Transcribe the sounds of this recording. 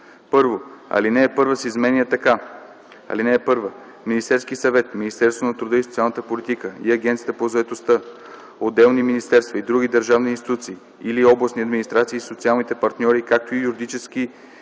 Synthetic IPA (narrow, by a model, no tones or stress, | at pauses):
pɤɾvoɐ̰linɛːpɤɾvəsɛizmɛnʲiət̪ɐka | ɐ̰linɛːpɤɾvə | minist̪ɛɾskisɐvɛt̪minist̪ɛɾst̪vonɐt̪ɾud̪ɤisot̪sialˠnət̪əpolit̪ikəḭɐɡʲɛnt̪siət̪əpozɐɛt̪ost̪ə | od̪ːɛlˠniminist̪ɛɾst̪vɐid̪ɾuɡ̟id̪əɾʒavninst̪it̪ut̪siː | iliɔblˠɐsniɐd̪minist̪ɾat̪siːsot̪sialˠnit̪ɛpɐɾt̪nʲɔɾikak̚t̪oijuɾid̪it͡ʃɛski